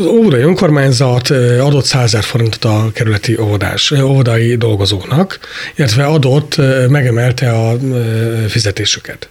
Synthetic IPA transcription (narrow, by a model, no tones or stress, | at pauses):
zovod̪ɒjiø̞ŋko̞rmaːɲzɒt̪ɒd̪o̞t̪saːɛɛrfo̞ɾint̪o̥t̪ɒkɛɾylɛt̪iʔo̞vod̪a̰ːʃovod̪ɒjid̪o̞lɡo̞zoːknɒk | ilɛt̪ʋɛɒd̪o̞t̪ːmɛɡɛmɛlt̪ɛɒ | fizɛt̪eːʃy̥kʰɛt̪